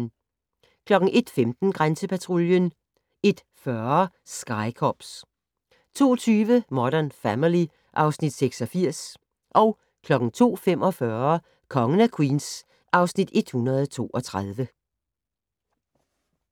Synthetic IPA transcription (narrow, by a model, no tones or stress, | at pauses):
kʰlɒ̽ɡ̥ŋ̩ʔe̝d̥femd̥n̩ɡ̥ʁansəpʰæt͡sʰʁoljən | e̝d̥ | fɶɐ | sɡ̥ɑ̈ɪkʰɒb̥s | t͡sʰo̝̰ːɒt͡sʰyːʋəmɒɾ̥ænfæmili | ʔɑ̈ʊsnid̥seɡ̥sɒ̽fiɐ̰s | ʔɒ̽ʊ | kʰlɒ̽ɡ̥ŋ̩t͡sʰo̝̰ːfem̰ʔɒ̽fɶɐ | kʰɒ̽ŋənækʰwiːns | ʔɑ̈ʊsnid̥e̝d̥hunɐð̞̩ˠt͡sʰo̝̰ːʔɒ̽t͡sʰʁaðˠʋə